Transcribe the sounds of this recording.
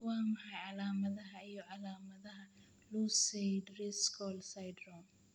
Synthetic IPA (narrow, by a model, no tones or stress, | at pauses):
wɑːmɐħɐjʕɑlaːmɐðɐɦɐijɔʕɑlaːmɐðɐɦɐ | lusɛjd̪riskʰɔlsajd̪ɾɔm